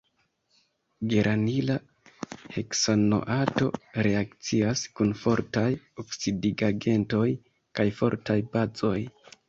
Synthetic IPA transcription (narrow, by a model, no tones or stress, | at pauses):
ɡe̞ɾʔanila | heksono̰ʔato̞̰ɾe̞akt͡siaskunfo̞ɾtaj | o̞ksidiɡaɡe̞nto̞j | kajfo̞̰ɾtajbazo̞j